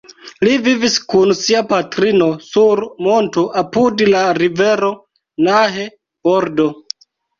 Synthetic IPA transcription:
liviviskunsiapatɾino̞suɾmo̞ntoʔapudlaɾive̞ɾo̞ | naɦe̞ | boɾdo̞

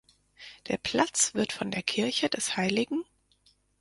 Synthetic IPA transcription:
d̥eːɐpʰl̥at͡sv̥ɪɐtfɔndeːɐkʰɪɐçədɛshaɪlɪɡŋ̩

